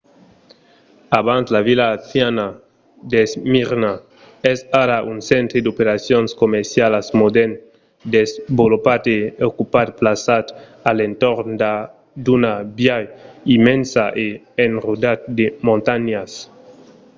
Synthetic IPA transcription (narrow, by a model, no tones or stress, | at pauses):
aβanslavilaːθjana | d̪esmiɾna | ɛsaɾaʔunsent̪ɾed̪opeɾasjonskomeɾsjalasmod̪ɛn | d̪ezbolupat̪eokupat̪̚plasat̪ | alent̪oɾnd̪a | d̪unabjajimẽnsaʔe | enrud̪at̪̚d̪emõnt̪aɲas